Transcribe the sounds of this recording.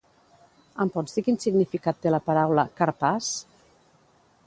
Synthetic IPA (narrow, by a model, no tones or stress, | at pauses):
əmpɔnzðikinsiɡnifikat̪ːelapaɾawləkaɾpas